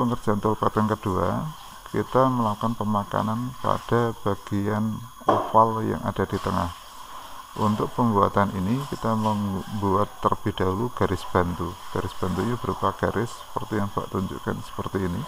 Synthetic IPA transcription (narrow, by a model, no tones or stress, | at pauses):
pəŋərd͡ʒ̥ant̪ʊlpat̪əŋkəd̥ua | kḭt̪aməlaukanpəmaka̰nanpa̰d̥ab̥aɡ̥ian | afalja̰ŋʔa̰d̥adit̪əŋah | ʔunt̪ʊk̚pəmbua̰t̪anʔinikit̪aməmbuat̪ːərb̥id̥auluɡ̥aɾɪsb̥ant̪uɡ̥aɾɪsb̥a̤nt̪uɲab̥əɾupaɡ̥aɾʔɪsːə̥pərt̪ijaŋb̥a̰ʔt̪uɲd͡ʒṵkansə̥pərt̪iːni